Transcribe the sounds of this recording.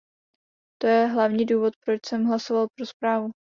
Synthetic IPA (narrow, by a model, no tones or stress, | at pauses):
t̪o̞jɛɦlavɲiːduːvo̞t̪̚pɾo̞t͡ʃsɛmɦlasovalpɾo̞spɾaːvu